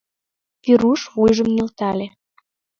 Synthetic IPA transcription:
piɾuʃβujʒə̆mnelt̪ɑlʲe

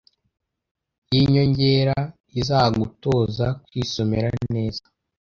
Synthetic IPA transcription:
jiɲo̞ɲɟeɾa | izaːaɡuto̞ːzakwiːso̞meɾane̞ːzḁ

